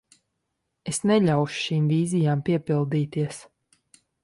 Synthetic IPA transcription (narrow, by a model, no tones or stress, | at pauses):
esnɛʎʲawʃu̥ʃiːmvʲiːzijaːmpiɛpilˠd̪iːt̪iɛs